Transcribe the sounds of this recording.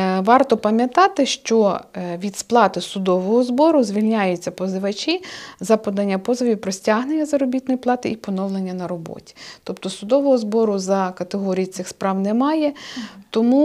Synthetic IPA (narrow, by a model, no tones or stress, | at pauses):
ʋɑrt̪ɔpɐmʲjɐt̪ɑt̪ɪʃt͡ʃɔʋʲid̪splˠɑt̪ɪsʊd̪ɔʋɔɦɔzbɔɾʊzʲʋʲilʲnʲajʊt͡sʲːɐpɔzɪʋɐt͡ʃʲizɐpɔd̪ɐnʲːɐpɔzɪʋʲiwpɾɔsʲtʲaɦnenʲːɐzɐɾɔbʲit̪̚nɔjiplˠɑt̪ɪipɔnɔwlˠenʲːɐnɐɾɔbɔ̰tʲi̥t̪ɔpt̪ɔsʊd̪ɔʋɔɦɔzbɔɾʊzɐkɐt̪eɦɔɾʲijitsɪxspɾɑwnɛmɑjɛt̪ɔmu